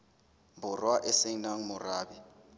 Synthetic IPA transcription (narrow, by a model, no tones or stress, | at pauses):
mbʊrwaʔɛseŋnaŋ̩mʊraːbi